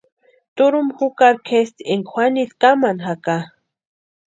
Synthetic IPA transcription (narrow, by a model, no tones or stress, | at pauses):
t̪uɾumxukaɾkʰest̪eŋkxʷwanit̪kamanxaka